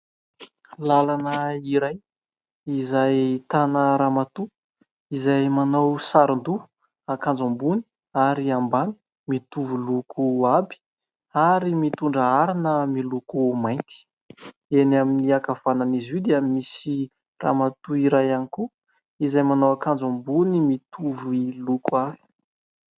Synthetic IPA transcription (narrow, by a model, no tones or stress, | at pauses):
lalanəiɾaj | izajt̪anəɾamat̪u | izajmanawsaɾnd̪u | akãnd͡zambuni̥ | aɾiambani̥ | mit̪uvulukʰuabi̥ | aɾimit̪uɳɖ͡ʐəaɾinəmilukumajnt̪i̥ | enaminiakavananizid̪eamisi | ra̰mat̪uiɾajaniku | izajmanawakand͡zombunimit̪ʰuvilukuavi̥